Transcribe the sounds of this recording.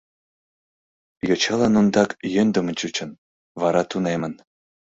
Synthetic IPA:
jot͡ɕɑlɑnund̪ɑkjønd̪əmənt͡ɕut͡ɕə̆n | βɑɾɑt̪unemən

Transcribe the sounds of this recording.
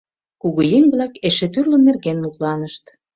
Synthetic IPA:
kuɣojeŋβlækeʃet̪yrlə̆nːerɣenmuk̪lɑnəʃt̪

